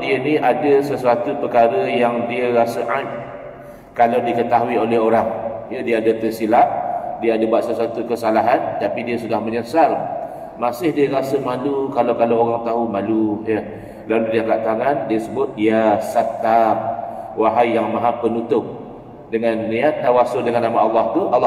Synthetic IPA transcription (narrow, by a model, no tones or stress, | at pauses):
diənĩʔadəsəsuat̪upəkaɾəjaŋdiəɾasəʔat̪̚ | kalawdikət̪aɦuiolɛhoɾaŋjədiəadat̪ərsilaʔdiəadabuat̪̚səsuat̪ukəsalaɦant̪apidiəsudahməɲəsal | masɪhdiəɾasəmalukalawkalawoɾaŋt̪aɦumalujə | laludialaʔ̚t̪aŋandiəsəbʊt̪̚ijasat̪ːamwaɦajːaŋmãɦapənut̪ʊp̚ | dəŋanːiat̪̚dawasʊldəŋanːamaɑlːɑht̪uʔɑlː